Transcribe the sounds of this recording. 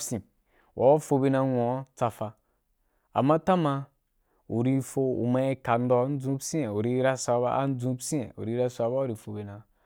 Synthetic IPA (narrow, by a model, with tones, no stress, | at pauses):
sĩ˨ | wʔa̰˨wa˦fo˧be˧na˧ŋʷo˨˦t͡sa˧fa˧ | a̰˨mːa˦ta˦ma˧ | u˨ɾi˧fo˧ṵ˨ma˧i˧ka˨n̩˦dɔ˧˦n̩˦d͡zũ˦psi˦e˨u˨ɾi˧ɾa˧sʷa˧˦ba̰˦a̰˦n˦d͡zũ˧˦psĩ˦ḛ˨ṵ˨ɾi˧ɾa˧sʷa˨˧ba˦u˦ɾi˧˨fo˧be˧na˨